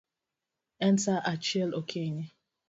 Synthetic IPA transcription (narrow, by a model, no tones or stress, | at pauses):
ɛ̃ntaʔat͡ʃɛlokʰeɲe